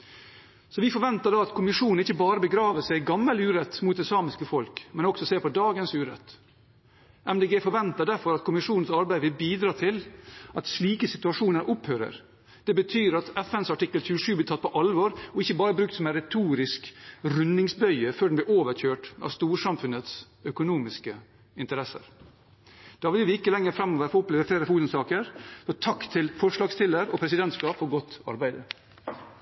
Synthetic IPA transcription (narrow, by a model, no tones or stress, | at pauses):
sɔʋɪfɔɾʋɛnt̪ɑɖɑɑt̪kʰʊmɪʂuːnn̩ɪçːəbɑːɾəbəɡɾɑːʋəsæɪɡɑmːəlʉːɾɛt̪ːmuːt̪ɛsɑːmɪskəfɔlkmɛnɔksɔseːpɔd̪ɑːɡənsʉːɾɛ̰t̪ː | ʔɛmd̪eːɡeːfɔɾʋɛnt̪ɑɖ̪æɾfɔɾɑt̪̚kʰʊmɪʂuːnn̩sɑɾbæɪʋɪlbiːd̪ɾɑːt̪ʰɪlʔɑt̪sɭiːkəsɪt̪ʉɑʂuːnəɾʔɔphœːɾə̰ɾ | d̪̥ɛbət̪ʰyːɾɑt̪ɛfɛnsɑʈɪkːəlçʉəʂʉːblɪt̪ʰɑt̪̚ːpʰɔʔɑlʋɔɾɔɪçːəbɑːɾəbɾʉkt̪sɔmɛnɾɛt̪ʰuːɾɪskɾʉnɪŋsbœʏəføːɖɛnb̪ɪɾoːʋəɾçøːʈɑ̰st̪uːɾʂɑmfʉnət̪s | œkʊnuːmɪskə | ɪnt̪əɾɛsə̰ɾ | d̪̥ɑːʋɪlʋɪɪkːəlɛŋːəɾfɾɛmːɔʋəfɔɔpleːʋəfleːɾəfuːt̪ənsɑːkəɾsɔt̪ʰɑkt̪ʰɪlfɔɾʂlɑːɡst̪ɪlːəɾɔpʰɾɛsɪd̪ɛnt̪skɑːpfɔɾɡɔt̪ːɑ̰ɾbæɪd̪ə